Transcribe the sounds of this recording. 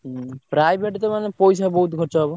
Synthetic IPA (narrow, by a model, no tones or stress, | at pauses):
pɾajbʱeʈt̪emanepojʃabɔɦut̪ɡʱɔʈʃaɦɔbo